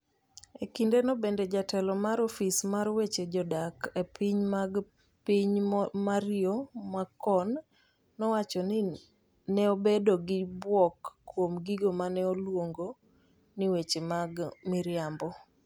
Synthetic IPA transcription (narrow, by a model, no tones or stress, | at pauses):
ekindenɔbended͡ʒatɛlɔmaɾofismaɾwet͡ʃed͡ʒɔdakepʰiɲmaɡ | piɲmaɾɪomakːɔnː | ɔwat͡ʃɔnɪ | nɛobedoɡɪbwɔkːwomɡiɡomanɛolwoŋɡo | niwet͡ʃemaɡmiɾjambɔ